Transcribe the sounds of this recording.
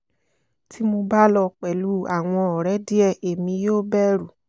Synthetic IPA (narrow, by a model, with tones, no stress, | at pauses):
ti˦mo˧ba˦lɔ˧k͡pɛ˨lu˦a˨w̃ɔ̃˧ɔ˨ɾɛ˨˦di˦ɛ˦˨e˨mĩ˧˦joː˦bɛ˦ɾu˨